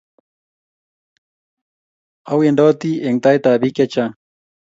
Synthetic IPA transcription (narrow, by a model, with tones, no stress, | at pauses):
awe˨˧nɖo˦t̪ie˨ŋt̪ajt̪a˨bi˦kjat͡ʃa